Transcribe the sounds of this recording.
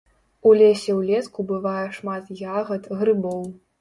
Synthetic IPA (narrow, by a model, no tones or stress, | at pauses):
ulʲɛsʲɛwlʲɛskubɨvajɛʂmat̪jaɣɐt̪ɣɾɨbɔw